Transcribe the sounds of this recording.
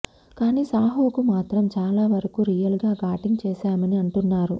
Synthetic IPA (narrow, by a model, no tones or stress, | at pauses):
kaːniːsaːɦoːkumaːt̪ɾɐmt͡ʃaːlaːʋɐɾɐkuɾijɐlɡaːɡaːʈiŋɡt͡ʃɛːʃaːmɐniɐɳʈunːaːɾu